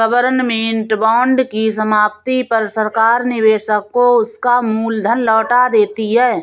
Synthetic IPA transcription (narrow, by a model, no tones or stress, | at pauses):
əbəɾnmẽɪɳʈbaːɳɖkisəmaːp̚t̪ipəɾsəɾkaːɾnɪʋeːʃəkːoʊskamuːld̪ʱənlɔːʈad̪eːt̪iɦɛː